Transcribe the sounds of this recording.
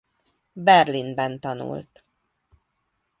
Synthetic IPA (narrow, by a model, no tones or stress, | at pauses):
bɛrlinbɛnt̪ɒnṵlt̪